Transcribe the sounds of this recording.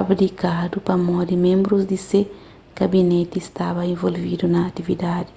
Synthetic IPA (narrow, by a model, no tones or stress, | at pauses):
abɾikad̪upamɔd̪imẽmbɾuzd̪ise | ɡ̥abinɛt̪iːst̪abɐẽvolvid̪unɐːt̪ivid̪ad̪i